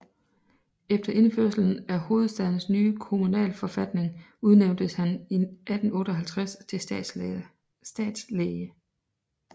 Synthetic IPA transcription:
efd̥ɐʔe̝nføɐ̰sl̩n̩æho̝ːð̞̩ˠsd̥æð̞ˠn̩snyːkʰo̝munɛ̰ːlfɒ̽fæd̥ne̝ŋuð̞ˠneʊnd̥əshæniʔæd̥n̩ɔ̽ːɾ̥əɒɦælt͡sʰʁast͡sʰe̝ | sd̥ɛ̰ːd̥sleə

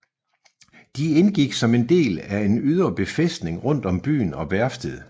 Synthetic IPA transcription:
d̥ienɡ̥iɡ̥sɒ̽me̝nd̥e̝̰ːlæe̝nyð̞ˠɐb̥e̝fesd̥ne̝ŋʁɔ̽n̰d̥ɒ̽mb̥y̰ːnɒ̽ʋæɐsd̥əð̩ˠ

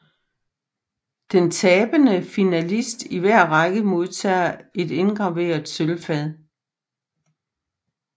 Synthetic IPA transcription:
d̥ent͡sʰɛːb̥ənəfinælisd̥iʋæɐ̰ʁɑɡ̥əmo̝ð̞ˠt͡sʰɛ̰ːɐe̝d̥e̝nɡ̥ʁɑ̈ʋe̝̰ːɐðˠsølfɛðˠ

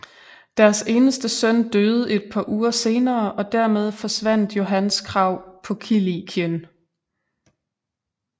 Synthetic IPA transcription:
d̥æɐse̝ːnəsd̥əsœn̰d̥øːð̞̩ˠe̝d̥̚pʰɑ̈ʔuːɐse̝ːnɐːʔɒ̽d̥æɐ̰með̞ˠfɒ̽sʋæn̰d̥jo̝ɦænskʰʁɑ̈ʊ̰pʰɒ̽kʰilikʰjən

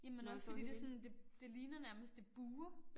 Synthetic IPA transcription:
jæmenɒ̽sfɒ̽d̥ḭd̥e̝sɒ̽nd̥e̝d̥e̝liːnɐnæɐməsd̥e̝b̥uːɐ

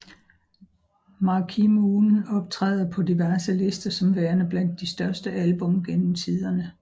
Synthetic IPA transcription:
mɑ̈kʰimunɒ̽b̥̚t͡sʰʁɛ̰ːðˠɐpʰɒ̽diʋæɐsəle̝sd̥ɐsɒ̽mʋæːɐnəb̥læn̰d̥ːisd̥ɶɐsd̥əʔælb̥ɔ̽mɡ̥enm̩t͡sʰið̞ˠɐnə

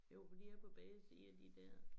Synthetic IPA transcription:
jo̝ʊ̰fɒd̥ḭːæɐpʰɒ̽b̥ɛːɪsiːɐd̥id̥æɐ̰

